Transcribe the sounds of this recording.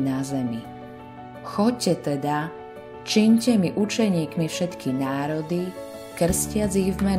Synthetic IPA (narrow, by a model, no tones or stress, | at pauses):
nazɛmi | xɔcːɛt̪ɛd̪a | t͡ʃiɲcɛmiʔut͡ʃɛɲiːkmifʃɛt̪kʰinaːɾɔd̪i | kr̩scɪad͡ziɣvmɛ